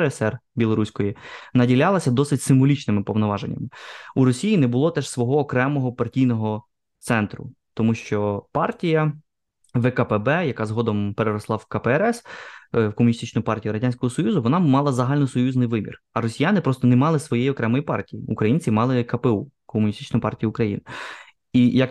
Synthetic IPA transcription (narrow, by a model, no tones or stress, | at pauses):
ɾsɛrbʲilˠɔɾusʲkɔjinɐdʲilʲɑlˠɐsʲɐd̪ɔsɪtʲsɪmʋɔlʲit͡ʃnɪmɪpɔʋnɔʋɑʒenʲːɐ̰mɪuɾɔsʲijinɛbʊlˠɔt̪ɛʃsʋɔɦɔːkɾɛmɔɦɔpɐrtʲijnɔɦɔ | t̪sɛnt̪ɾʊ̰ | t̪ɔmuʃt͡ʃɔpɑrtʲijɐ | ʋɛkɐpɛbɛjɐkɑzɦɔd̪ɔmpeɾeɾɔslˠɑwkɐpɛɛɾɛswkɔmʊnʲist̪ɪt͡ʃnʊjpɑrtʲijuɾɐdʲanʲsʲkɔɦɔsɔjuzʊʋɔnɑmɑlˠɑzɐɦɑlʲnɔsɔjuznɪjʋɪmʲḭr | ɐɾɔsʲijanɪpɾɔst̪ɔnemɑlˠɪsʋɔjɛjiɔkɾɛmɔjipɑrtʲijiukɾɐjinʲt͡sʲimɑlˠɪkɐpɛu | kɔmʊnʲist̪ɪt͡ʃnʊjpɑrtʲijiukɾɐjḭnɪ | ijɐk